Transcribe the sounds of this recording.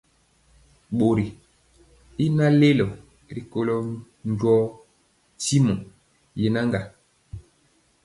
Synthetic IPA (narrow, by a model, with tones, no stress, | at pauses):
ɓo˨ɾi˨ | i˦na˦le˦lɔ˨ | ɾi˨ko˦lɔ˦ | ɲɟɔ˦ | ti˦mɔ˨ | je˨na˦ŋɡa˨